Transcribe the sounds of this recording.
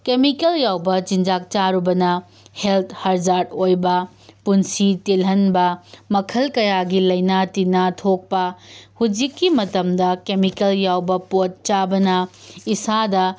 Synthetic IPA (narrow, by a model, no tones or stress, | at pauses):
kemikɐljawbɐt͡ʃind͡ʒak̚t͡ʃaɾubɐnɐ | heltʰhɐɾd͡ʒaɾdojbɐ | punsitelɦɐnbɐmɐkʰɐlkɐjaɡilɐjnatinatʰok̚pɐhud͡ʒikːimɐtɐmdɐkemikɐljawbɐpot̚t͡ʃabɐnɐisadɐ